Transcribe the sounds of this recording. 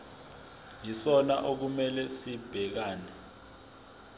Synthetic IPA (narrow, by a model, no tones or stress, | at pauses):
jisɔnaʔok̬umɛlɛsib̥ʱɛk̬aːnɛ